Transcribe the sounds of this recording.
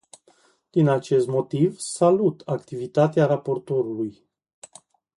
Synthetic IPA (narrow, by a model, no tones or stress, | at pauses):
d̪̥inat͡ʃe̞st̪mo̞t̪ivsalut̪akt̪ivit̪at̪eaɾapo̞rt̪o̞ɾuluj